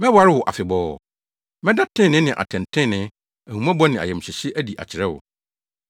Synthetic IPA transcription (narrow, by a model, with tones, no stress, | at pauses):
mɛ̃˦bʊ˨a˨˦ɾɪ˦wʊ˨ʔa̰˨fɪ˨bɔː˦˨ | mɛ̃˦da˦tʰɪ̃˦˨nɪ̃˦nɪ̃˨ʔa̰˨tʰɛ̃˨ntʰɪ̃˦˨nɪ̃˦ | æ˨hũ˨mã˦bɔ˦nɪ̃˨a̰˨jɛ˨m̩˨ɕɪ˨ɕɪ˦ʔæ˦di˨ʔa̰˨t͡ɕʰɪ˨ɾɛ˦wʊ̰˨